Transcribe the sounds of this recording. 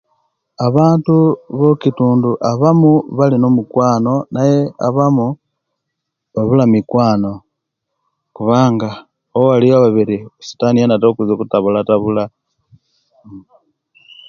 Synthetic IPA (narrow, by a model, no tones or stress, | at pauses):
aβaːntuβokituːnduʔaβamuβalino̞mukwaːno̞najea̰βamu | βaβulamikwaːno̞ | kuβaːŋɡa | oalijaβaβiɾisu̥tanijanatokuzokutaβulataβula